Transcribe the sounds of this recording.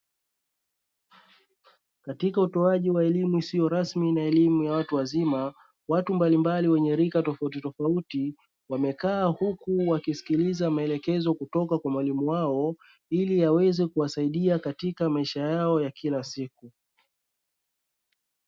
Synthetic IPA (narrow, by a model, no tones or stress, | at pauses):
katikautɔaʄiwaɛlimuisijɔɾasminaɛlimujawatuwazima | watumbalimbaliwɛɲɛɾikatɔfaut̬itɔfauti | wamɛkaːhukuwakisi̥kilizamaɛlɛkɛzɔkutɔkakwamwalimuwaɔ | ilijawɛzɛkuwasaiɗiakatikamaiʃajaɔjakʰilasiku